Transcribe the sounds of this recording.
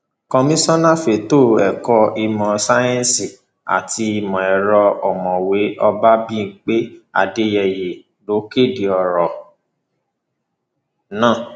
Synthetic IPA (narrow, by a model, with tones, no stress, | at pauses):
kɔ̃˧mĩ˦sɔ̃˦nã˦˨fe˨to˦˨ɛ˨kɔ˧i˧mɔ̃˧sa˦jɛ̃˦n˦si˨ | a̰˨ti˧i˧mɔ̃˨ɛ˨ɾɔ˧ɔ˨mɔ̃˨we˨˦ʔɔ˧ba˦bĩ˦˨k͡pe˦a̰˨de˦jɛ˨je˨ | lo˨˦ke˦˨de˨ɔ˨ɾɔ˨ | nãː˦˨